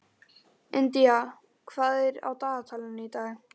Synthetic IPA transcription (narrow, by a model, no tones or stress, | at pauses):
ɛnt̪ia | kʰvaːðɪɾa̰wt̪aːðat̪ʰaːlɪnːit̪aːɣɪ